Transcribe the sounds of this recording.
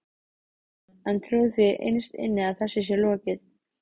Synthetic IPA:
ɛnt̪ʰɾjuwðθɪʔḛjnst̪ɪ̰nːɪaðθɛsːɪsjɛlɔːcɪθ

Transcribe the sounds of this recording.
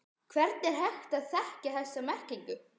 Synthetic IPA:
kʰvɛɾt̪nɛɾɦɛxt̪aðθɛhcaθɛsːamɛr̥ciŋkʏ

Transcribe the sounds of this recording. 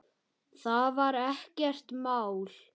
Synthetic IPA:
θavaɾɛhcɛr̥t̪maːwl

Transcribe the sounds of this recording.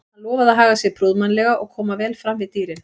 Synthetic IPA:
anlɔːvaðaðɦaːɣasɪɣpʰɾuðmanlɛɣaʔɔɣkʰɔːmavɛːlfɾamvɪðt̪iːɾɪn

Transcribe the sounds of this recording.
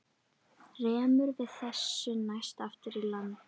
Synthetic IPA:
rɛːmʏɾvɪðθɛsːʏnajst̪aft̪ɪɾilanː

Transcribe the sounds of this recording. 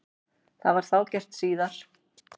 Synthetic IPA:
θaðvaɾ̥θaːwcɛr̥t̪siːðaɾ̥

